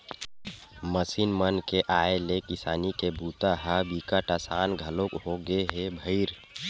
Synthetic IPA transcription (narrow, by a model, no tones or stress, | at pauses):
məsinmənkeʔaːelekɪsaːnikebuːt̪aɦabikaʈəsaːnɡʱəlokɦoɡeɦebʱəɪɾ